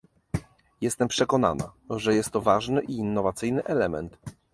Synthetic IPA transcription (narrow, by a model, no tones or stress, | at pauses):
jɛst̪ɛmpʂɛkɔna̰na̰ʐɛjɛst̪ːɔvaʐnɘʔiːnːɔvat̪sɘjnɘʔɛlɛmɛ̰nt̪